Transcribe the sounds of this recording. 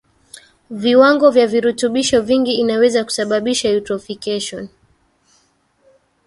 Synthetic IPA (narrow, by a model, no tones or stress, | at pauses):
viwaŋɡɔvjaviɾutuɓiʃɔviŋɡiːnawɛzaku̥saɓaɓiʃajutɾɔfikɛʃɔn